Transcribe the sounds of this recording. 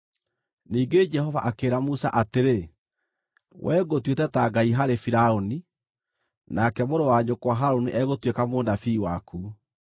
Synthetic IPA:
niːɡed͡ʒɛhɔvaʔakeːɾamusa̰ʔateɾe | wʔɛːɣotwetɛtaɡaiɦaɾefiɾaoni | nakɛmoɾowaɲokwaɦaɾoniʔɛɣotwekamoːnafiːwakuː

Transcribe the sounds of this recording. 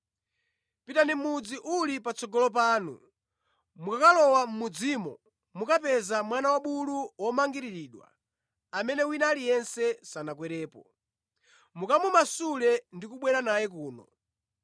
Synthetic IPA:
pitanimud͡ziʔulipat͡sɔɡɔlɔp̬aːnṵ | mukakalɔwam̩mud͡zimɔ̰ | mukapɛzamwanawaɓuluwɔmaŋɡiɾiɾiːɗwa̰ | amɛnɛwinaːlijɛnsɛsanak̬wɛɾɛːpɔ | mukamumasulɛndikuɓwɛɾanajɛk̬uːnɔ̰

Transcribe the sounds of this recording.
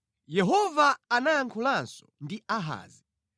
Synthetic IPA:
jɛɦɔvaːnaaŋkʰulansɔ̥ndiaɦa̰ːzi

